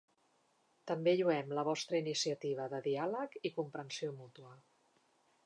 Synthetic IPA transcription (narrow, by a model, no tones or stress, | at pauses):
t̪əmbeʎuɛmləβ̞ɔst̪ɾəinisiət̪iβ̞əðəðialəkikumpɾənsiomut̪uə